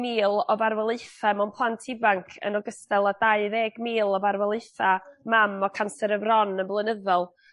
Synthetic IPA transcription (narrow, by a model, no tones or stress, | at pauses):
miːlˠɔbarwɛlˠɨθamanpʰlˠantʰɪbaŋkʰə̰nɔɡəstɛlˠadaɨðeːɡmiːlˠɔbaɾwɛlˠɨθamamɔkʰansɛɾəvrɔnənblˠənəðɔlˠ